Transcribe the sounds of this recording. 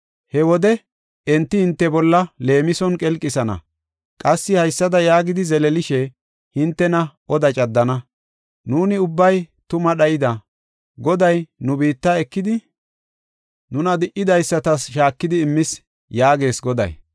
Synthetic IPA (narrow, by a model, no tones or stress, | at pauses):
hɛwɔd̪ɛ | ɛnt̪ːɪhɪnt̪ːɛbɔlːɐle̞ːmɪsɔnkʼɛlkʼːɪsɐnɐ̰ | kʼɐsːɪhɐjsːɐd̪ɐjaːɡɪd̪ɪzɛlɛlɪʃɛ | hɪnt̪ːɛnɐʔɔd̪ɐt͡ʃʼɐd̪ːɐnɐ | nuːnɪʊbːɐjt̪ʊmɐɗɐjɪd̪ɐ | ɡɔd̪ɐjnʊbiːt̪ːaɛkːɪd̪ɪ | nʊnɐd̪ɪʔɪd̪ɐjsːɐt̪ɐsʃaːkːɪd̪ɪːmːɪs | jaːɡe̞ːsɡɔd̪ɐ̰j